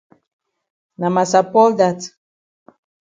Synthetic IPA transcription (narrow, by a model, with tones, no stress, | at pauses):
na˨ma˨sa˨pɔ˦lda˦t